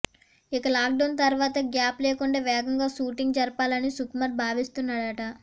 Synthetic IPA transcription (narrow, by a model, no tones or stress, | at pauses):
ikɐlaːk̚ɖɐwnt̪ɐɾʋaːt̪ɐɡjaːpleːkuɳɖeːʋɛːɡɐŋɡaːʃuːʈiŋɡd͡ʒɐɾɐpaːlɐnisukmɐɾbʱaːʋist̪unːaːɽɐʈɐ